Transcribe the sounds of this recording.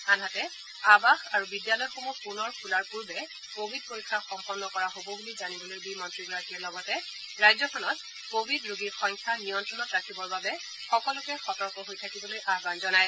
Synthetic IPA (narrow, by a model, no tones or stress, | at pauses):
anɦatɛ | abaxaɹubidjalɔjɔxomupunɔɹkʰulaɹpuɹbɛ | kobʱid̚poɹikʰːaxɔmpɔnːɔkɔɹaɦobɔbulizanibɔlojbimɔntɹiɡatiaɹlɔɡɔtɛ | ɹajzɔkʰɔnɔt̚ | kobʱidɹoɡixɔŋkʰanijɔntɹɔnɔtɹakʰibɔɹbabɛ | xɔkɔlʊkɛxɔtɔɹkɔɦojtʰakibɔlojʔaɦbanzɔnaj